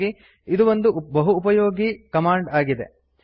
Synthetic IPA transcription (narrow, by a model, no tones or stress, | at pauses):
i | id̪uʋond̪ubɐɦuːpɐjoːɡikɐmaːɳɖaːɡid̪e